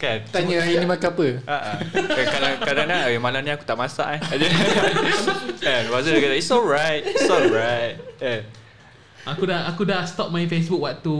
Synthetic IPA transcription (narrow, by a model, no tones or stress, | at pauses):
kant̪aɲəainĩmakaapəaʔaakadaŋkadaŋlaŋawimalamnĩaku̥t̪aʔmasa̰ʔaad͡ʒə | anwazədaɡat̪aisɔlɹajt̚isɔlɹajt̚ja | ʔakudaʔakudaʔst̪ɔp̚mãj̃nfes̬buk̚waʔt̪u